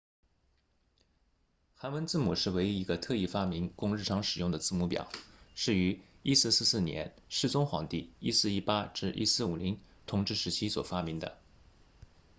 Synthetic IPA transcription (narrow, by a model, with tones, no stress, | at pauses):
xa˧˥nwə˧˥nt͡sɹ̩˥˩mu˨˩ʂɻ̩˥˩we˧˥ɪi˧˥i˧˥ɡə˧t̪ʰɤ˥˧i˥˩fa˥mi˧˥ŋkʊ˥˧ŋɻ̩˥˩ʈ͡ʂʰɑ˧˥ŋʂɻ̩˨˩jʊ˥˩ŋd̪ə˩t͡sɹ̩˥˩mu˧˥pjɑ̰˨˩˦ʊʂɻ̩˥˩y˧˥ | i˥sɹ̩˥˧sɹ̩˥˧sɹ̩˥˩njɛ̰˧˥n | ʂɻ̩˥˩t͡sʊ˥ŋxwɑ̰˧˩ŋt̪i˥˩i˥sɹ̩˥˩i˥pa˥ʈ͡ʂɻ̩˥˧ʔḭ˥sɹ̩˥˩u˨˩li˧˥ŋ | t̪ʰʊ˧˩ŋʈ͡ʂɻ̩˥˩ʂɻ̩˧˥t͡ɕʰi˥swɔ̰˨˩fa˥mi˧˥ŋd̪ə̰˧